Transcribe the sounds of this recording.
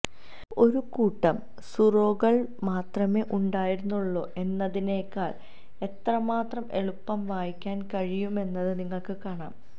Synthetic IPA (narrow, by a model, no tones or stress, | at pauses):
o̞ɾukuːʈːɐm | suro̞ːɣɐɭmaːt̪rɐme̞ːʔuɳɖaːjiɾunːuɭːo̞ːʔe̞nːɐðineːkːaːɭ | e̞t̪rɐmaːt̪rɐme̞ɭupːɐmʋaːjikʲːaːnkɐɻijume̞nːɐðɨniŋːɐɭkɨkaːɳa̰ːm